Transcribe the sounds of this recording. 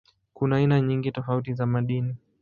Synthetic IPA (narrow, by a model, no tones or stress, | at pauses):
kunaːinaɲiŋɡitɔfautizamaɗini